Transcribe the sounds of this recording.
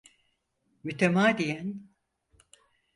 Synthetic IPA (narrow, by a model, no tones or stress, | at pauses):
myt̪ʰemaːd̪ijæn